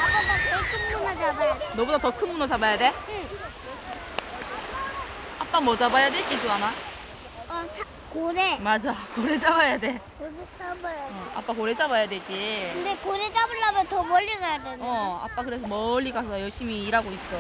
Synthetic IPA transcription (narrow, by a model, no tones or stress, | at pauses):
apadatʌkʰɯnːunad͡ʑabajadenʌbudatʌkʰɯnmunʌd͡ʑabajade̞ | ap͈amʌd͡ʑabajaded͡ʑid͡ʑoana | ʌsʰa | koɾemad͡ʑakoɾed͡ʑabajade̞koɾet͡ɕabajaa̰p͈akoɾe̞t͡ɕabajadwe̞d͡ʑiɯnd̪ekoɾed͡ʑabɯɭːamjʌntʌmʌʎːiɡajadeʌa̰p͈akɯɾe̞s̬ʰʌmʌʎːiɡasʰʌjʌɭɕ͈imiːɾaɡois͈ʌ